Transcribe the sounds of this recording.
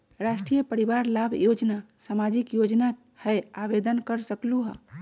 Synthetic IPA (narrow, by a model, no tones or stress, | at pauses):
ɾasʈɾijəpəɾibaɾlabʱjod͡ʒnasamad͡ʒikjod͡ʒna | hɛjabed̪ənkəɾsəkluɦɔ